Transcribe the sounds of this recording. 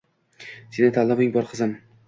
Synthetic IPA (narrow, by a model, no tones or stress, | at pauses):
senɪt̪ʰalˠːɪmɪŋbɒɾqʰɨzɪm